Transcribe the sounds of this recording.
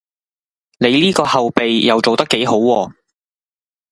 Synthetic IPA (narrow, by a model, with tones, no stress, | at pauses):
ne˨˧jliː˥kɔː˧hɐ˨wpe˨jjɐ˨wt͡so˨wt̪ɐ˥kːe˨˥jɦo˨˥wwɔː˧